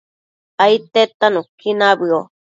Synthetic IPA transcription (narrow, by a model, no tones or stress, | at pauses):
ait̪et̪anũkinabɨo